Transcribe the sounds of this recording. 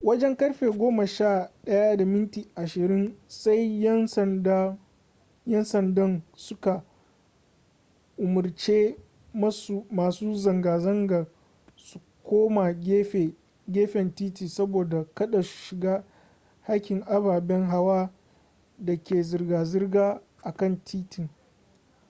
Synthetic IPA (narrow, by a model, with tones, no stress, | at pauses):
wɐ˦d͡ʒɛ˦ŋkɐ˦ɽɸeː˨ɡʷoː˦ma˨ʃaː˦˨ɗɐ˦ja˦da˨mɪ˦ntiː˨ʔa˨ʃɪ˨ɾɪ˦nsa˦jsnd | jɛ˦nsɐ˨ndɐ˦nsʊ˦ka˨ | ʔʊ˨mʊ˨rt͡ʃeː˦ | mɐ˦smaː˨suː˦zɐ˨ŋɡaː˨zɐ˦ŋɡa˨ | su̥˨ | kʷoː˦ma˨˦˨ | ɡʲeː˦ɸɛ˨ntiː˦tiː˨sɐ˦boː˨da˨kɐ˦ɗa˨su̥˨ʃɪ˨ɡaː˦ | ha˦kʲɪ˨ŋʔa˦baː˨bɛ˦ŋɦa˦waː˦ | dɐ˨kʲeː˨zɪ˨rɡaː˨zɪ˦rɡaː˦ | ʔa˨kɐ˦˨ntʰiː˦tɪ˨ŋ